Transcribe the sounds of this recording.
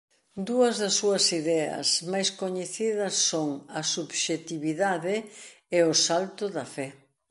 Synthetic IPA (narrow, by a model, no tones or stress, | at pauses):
d̪uɐzðɐsːuɐsiðɛɐ̰smajskoɲeθiðɐsːoŋɐsubʃet̪iβiðaðɪ | eʊsalt̪ʊðɐfɛ